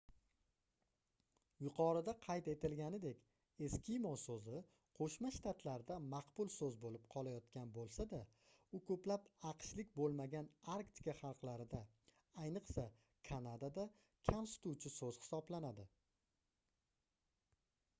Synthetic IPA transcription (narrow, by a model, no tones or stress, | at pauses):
jʊqʰɒɾɪd̪aqʰɑjt̪e̞t̪ɪlɡʲanɪd̪e̞kʲ | e̞skʲɪjmɒsɵzɪ | qʰoʃmaʃt̪ʰat̪ʰlaɾd̪amɑqbʊlˠsɵzbolɪpqʰɒlajɒt̪kʲanbolˠsad̪a | ʊkʰɵplapɑqʃlɪkʲbolˠmaɡʲanaɾkt̪ʰɪ̥kaχɑlˠqlaɾɪd̪a | ajnɨqsa | kʰanad̪ad̪a | kʲʰamsʊ̥t̪uwt͡ʃʰɪsɵz̥hɪ̥sɒblanad̪ɪ